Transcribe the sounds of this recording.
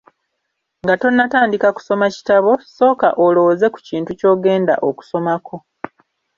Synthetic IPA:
ŋɡato̞nːataːndikaku̥so̞maci̥taβo̞so̞ːkaʔolo̞woze̞ku̥ciːntuco̞ːɡe̞ːnda̰ʔo̞ku̥so̞makʰo̞

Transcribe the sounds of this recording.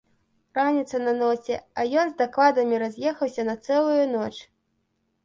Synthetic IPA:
ranʲit̪sɐnɐnɔt͡sʲɛɐjɔnzd̪aklˠad̪ɐmʲiɾazʲjɛxɐwsʲɐnɐt̪sɛlˠujunɔt͡ʂ

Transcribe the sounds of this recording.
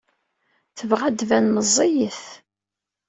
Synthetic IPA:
θəvʁæd̪vænməzˤːijəθ

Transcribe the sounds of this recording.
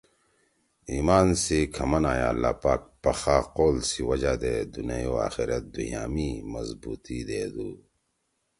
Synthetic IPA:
iːmaːnsikʰɐmɐnaːjaːɐlːaːpaːk̚pɐxaːqoːlsiwɐd͡ʑad̪eːd̪unejoːa̰ːxiɾɐt̪̚d̪uɦija̰ːmimɐzbuːt̪id̪eːd̪uː

